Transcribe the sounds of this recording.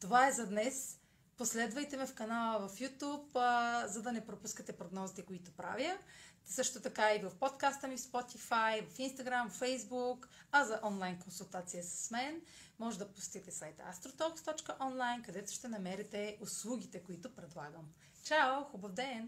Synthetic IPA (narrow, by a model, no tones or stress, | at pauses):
t̪ovaɛzɐd̪nɛs | poslɛd̪vɐjt̪ɛmɛfkɐnalˠəvɐfjut̪upzɐd̪ɐnɛpɾopuskət̪ɛpɾoɡnɔzit̪ɛkʊit̪ʊpɾa̰vjəsɤʃt̪ot̪ɐkaivɐfpot̪kast̪əmifspɔt̪ifajvɐfinst̪ɐɡɾamvfɛjzbukɐzɐʔɔnlˠajnkonsulˠt̪at̪sijəsɐ̥smɛn | mɔʒɛd̪ɐpʊst̪iɡ̚t̪ɛsajt̪a̰st̪ɾot̪ɔkst̪ɔt͡ʃkəʔɔnlˠajnkɐd̪ɛt̪ʊ̥ʃt̪ɛnɐmɛɾɛt̪ɛʊslˠuɡʲit̪ɛkʊit̪ʊpɾɛd̪lˠa̰ɡəm | t͡ʃaʊxubɐvd̪ɛn